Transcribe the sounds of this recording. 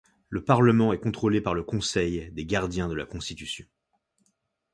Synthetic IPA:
ləpaʁləmɑ̃ɛkɔ̃t̪χolepaʁləkɔ̃sɛjd̪eɡaʁd̪jɛ̃d̪əla̰kɔ̃st̪it̪ysjɔ̃

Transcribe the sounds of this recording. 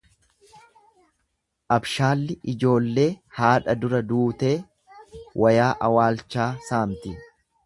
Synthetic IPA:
ʔɐbʃaːlːɪʔɪd͡ʒo̞ːlːe̞ːhaːᶑɐd̪ʊɾɐd̪uːt̪e̞ː | wʔɐjaːʔɐwaːlt͡ʃːaːsaːmt̪ɪ

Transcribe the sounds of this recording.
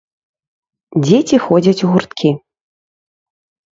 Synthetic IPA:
d͡zʲet͡sʲixɔd͡zʲɐt͡sʲuɣurt̪kʲʰi

